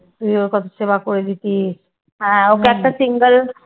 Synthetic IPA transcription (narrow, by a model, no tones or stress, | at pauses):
t̪uioɾkɔt̪ʰoseβakoɾed̪it̪is | ɦɛ̃oeɛk̚ʈasiŋɡəl